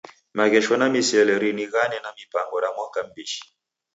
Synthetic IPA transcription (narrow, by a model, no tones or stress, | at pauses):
maɣɛʃɔnamisɛlɛɾiniɣanɛnamipaŋɡɔɾamwakam̩biʃi̥